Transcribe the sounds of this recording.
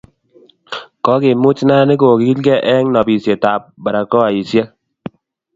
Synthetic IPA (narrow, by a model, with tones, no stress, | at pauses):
kɔ˦kɪ˨mʊ˦t͡ʃna˦nɪ˦ko˨kɪ˦i˦lkɛ˦ʔɛ˦ŋnɔ˨pi˨sje˨ta˨p̚ba˨ɾa˨kɔ˦a˨i˨sje˦